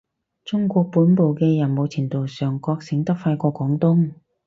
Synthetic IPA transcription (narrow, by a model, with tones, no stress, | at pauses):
t͡sʊ˥ŋkʷɔː˧k̚puː˨˥npo˨˧wkɛː˧jɐ˨˩nmo˨˧wt͡sʰiː˨˩t̪o˨wsœː˨˩ŋkɔː˧k̚sɪ˨˥ŋt̪ɐ˥k̚fɐ˧kɔː˧kɔː˨˥ŋt̪ʊ˥ŋ